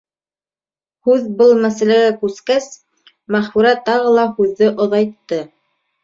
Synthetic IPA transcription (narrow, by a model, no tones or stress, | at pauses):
hʉðbɤlˠmæsælæɡækʉskæs | mæχfuɾæt̪ɑʁɤlˠɑhʉðːɘʔŏðɑjt̪ːɤ